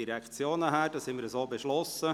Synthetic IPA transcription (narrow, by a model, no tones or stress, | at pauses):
iɾɛkt͡sjoːnəɦæːd̥ɑːshɪnməɾəszoːbeʃlɔsə